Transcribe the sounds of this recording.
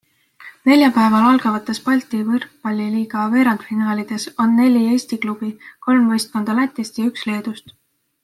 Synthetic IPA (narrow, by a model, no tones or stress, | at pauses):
ne̞lʲjɑpæe̞vɑlɑlɡ̥ɑvɑt̪ːˑe̞spɑlʲt̪ˑivɤrppɑlʲːiliːɡ̥ɑve̞ːɾɑnd̪finɑːlʲid̪̥e̞so̞nːe̞lʲie̞ːsʲt̪iklub̥iko̞lmvɤjst̪̚ko̞nd̪̥ɑlæt̪ˑːest̪jɑyksle̞ːd̪̥ust̪